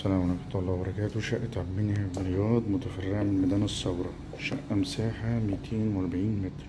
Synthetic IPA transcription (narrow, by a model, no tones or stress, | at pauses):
sælæːmænɑft̪ˤːlːɑːbɑɾˤɑkæːt̪wʃæʔt̪ʕabmɪnhæbljɑːd̪ˤmot̪æfɑrːeʕmlmæd̪æːnɑsˤːɑwɾˤɑ | ʃæ̰ʔːæmsaːħamit̪ʰeːnwɑɾˤbɪʕiːnmet̪ɾ